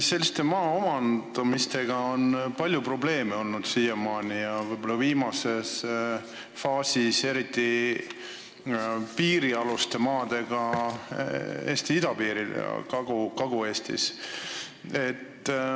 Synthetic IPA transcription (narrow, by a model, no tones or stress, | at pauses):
se̞lʲːist̪e̞mɑːomɑnd̪̥ɑmist̪e̞ɡ̥ɑo̞npɑlʲjupro̞ble̞ːmeo̞lnud̪̥siːjemɑːnijɑvɤjbo̞lːɑviːmɑse̞s | fɑːsise̞ɾit̪ːˑi | piːɾiɑlust̪e̞mɑːd̪̥e̞ɡ̥ɑ | ḛːst̪iid̪̥ɑpiːɾiljɑ̰kɑɡ̥ukɑɡ̥ue̞ːst̪ḭs | e̞t̪ː